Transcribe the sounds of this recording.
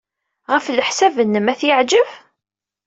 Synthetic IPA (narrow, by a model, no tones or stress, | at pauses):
ʁəfləħsævənːəmæθjəʕd͡ʒəv